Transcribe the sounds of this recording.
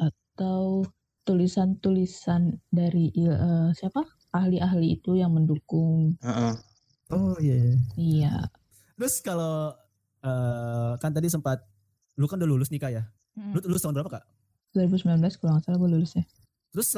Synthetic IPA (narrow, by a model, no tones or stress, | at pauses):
ʔat̪aw | t̪ulisant̪ulisandaɾiʔəsiapa | ʔahliʔaɦliːt̪ujaŋməndukʊŋəʔ | ojaija | t̪əɾʊskalo | əkant̪adis̬əmpat̪̚ | lukanudalulʊsnikaja | luluʊst̪aʊnbuɾapakaʔ | duaɾibusəmbilanblaskuluaŋasalaɡualulʊsɲa | t̪əɾʊs